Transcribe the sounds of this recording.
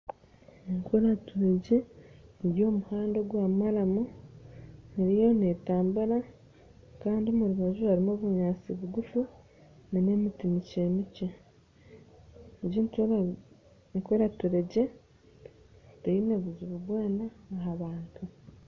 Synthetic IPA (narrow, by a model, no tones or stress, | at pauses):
eŋkoɾatuɾeɟeiɾjo̞ːmuhaːndoɡwaːmaɾamu | niɾijo̞netaːmbuɾa | kaːndiomuɾuβazuhaɾimoβuɲaːt͡siβuɡufu | nine̞mitimiceːmice | ɟiːnto | ikoɾatuɾeɟe̞ | teineβuzuβuβwaːnaːɦaβaːŋka